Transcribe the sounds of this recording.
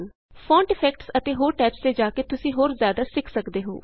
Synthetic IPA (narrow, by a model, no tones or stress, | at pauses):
n | fʰõːɳʈɪpʰɛːkʈsət̪eːɦoːɾʈɛːpst̪eːd͡ʒaːkeːt̪ʊsĩːɦoːɾzjaːd̪aːsɪkʰsəkd̪eːɦo̰ː